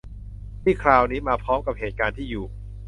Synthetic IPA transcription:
t̪ʰiː˥˩kʰɾaː˧wniː˦˥maː˧pʰɾɔː˦˥mka˨˩p̚heː˨˩t̪̚kaː˧nt̪ʰiː˥˩juː˨˩

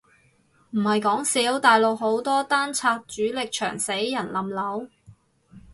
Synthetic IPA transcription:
m̩˨˩hɐ˨jkɔː˨˥ŋsiː˨˥wt̪aː˨jlo˨k̚ho˨˥wt̪ɔː˥t̪aː˥nt͡sʰaː˧k̚t͡ʃyː˨˥lɪ˨k̚t͡ʃʰœ̰ː˨˩ŋse˨˥jjɐ˨˩nlɐ˨mlɐ˨˥w

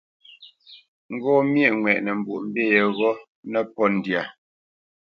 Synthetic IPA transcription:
ŋ̩˦ɡɔː˦˨mjɛ˦˨ʔŋwɛ˨ʔnɛ˨m̩˨bu˨ʔm̩˦be˦˨jɛ˨ɣɔ˦ | nɛ˦pɔ˦˨n̩˨dja˨

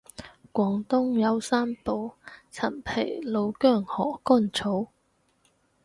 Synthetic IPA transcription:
kʷɔː˨˧˥ŋt̪ʊ˥ŋjɐ˨˧wsaː˥mpo˨wt͡sʰɐ˨˩npʰe˨˩jlo˨˧wkœː˥˩ŋhɔː˨˩kɔː˥˩nt͡sʰo˨˥w

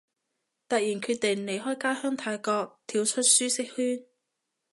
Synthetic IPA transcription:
t̪ɐ˨k̚jiː˨˩nkʰyː˧t̚t̪e˨˩ŋne˨jɦɔː˥jkaː˥hœː˥ŋt̪ʰaː˧jkɔː˧k̚t̪ʰiː˨˧wt͡ʃʰɵ˥t̚syː˥sɪ˥k̚hyː˥n

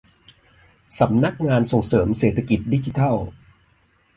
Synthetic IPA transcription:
sa˩˦mna˦˥k̚ŋaː˧nso˨˩ŋsɤː˩˦mseː˨˩t̪ʰːa˧ki˨˩t̪̚di˦˥t͡ɕi˧˦t̪ʰa˥˩w

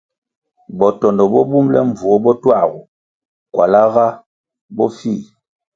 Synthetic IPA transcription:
bɔ˨tɔ˨ndɔ˨bɔ˦bu˦mlɛ˦ɱ˨vu˨ɔ˦bɔ˦twa˦˨ɣu˨ | kwa˨la˦ɣa˦ | bɔ˦fi˦˨

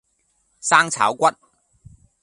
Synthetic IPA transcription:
saː˥ŋt͡sʰa̰ː˨˥wkʷɐ˥t̚

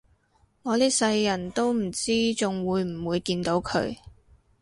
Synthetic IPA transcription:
ŋɔː˨˧liː˥k̚sɐ˧jːɐ˨˩nt̪o˥wm̩˨˩t͡siː˥t͡sʊ˨ŋwuː˨˧jm̩˨˩wuː˨˧jkiː˧nt̪o˨˥wkʰɵ̰˨˧ɥ

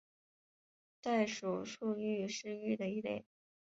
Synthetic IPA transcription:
t̪a˥˩ɪʂu˨˩ʂu˥˧y˥˧ʂɻ̩˥˧y˥˩d̪ə˩i˥˩lḛ˨˩˦

